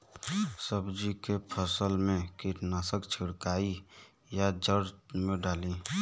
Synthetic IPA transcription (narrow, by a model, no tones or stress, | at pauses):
səbd͡ʒikepʰəsəlmẽkiʈnasəkt͡ʃʰiɽkaːi | jad͡ʒəɽmẽɖaːli